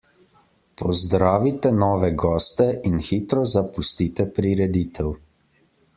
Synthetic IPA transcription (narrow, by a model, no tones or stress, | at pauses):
pʰɔzd̪ɾaːʋit̪ɛnɔːʋɛɡɔːst̪ɛʔinxiːt̪ɾɔzapust̪iːt̪ɛpɾiɾɛd̪iːt̪ʰɛw